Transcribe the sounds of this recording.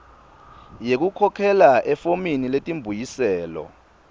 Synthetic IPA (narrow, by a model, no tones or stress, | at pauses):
jek̬ukʰɔkʰɛlaʔɛfominiletʼimbʱujisɛːlɔ̰